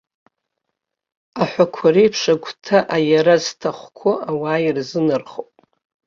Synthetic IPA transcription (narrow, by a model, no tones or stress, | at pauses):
aħʷakʷʰaɾijpʰʂaɡʷtʰaʔajaɾaztʰaχʷkʷʰʊawaːirzɨnɨrχopʼ